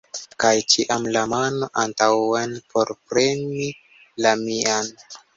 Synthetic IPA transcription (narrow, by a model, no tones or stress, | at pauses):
kajt͡ʃiʔamlamano̞ʔantawanpo̞ɾpɾe̞ni | lamian